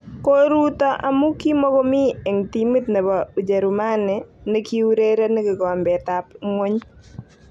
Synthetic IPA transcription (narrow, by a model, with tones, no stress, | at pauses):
ko˦ɾu˦tɔ˦ʔa˨mu˦ki˦mɔ˦ɡɔ˦mɪ˦e˨ŋti˦mi˦tnɛ˨ba˨u˨d͡ʒe˨ɾʊ˨ma˦nɛ˨nɛ˦ki˦u˦ɾe˦ɾe˦nɛ˦ɡɪ˨ɡɔ˨mbɛ˨ta˨pŋwo˦ɲ